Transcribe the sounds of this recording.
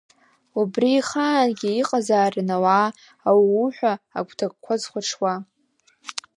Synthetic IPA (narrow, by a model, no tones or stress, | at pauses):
ubriːχaːnɡʲiːqʼazaːrnawaː | awiuħʷᶣa̰ːkʷʰtʰak̚ʼkʷʰazχʷaʈ͡ʂʰwa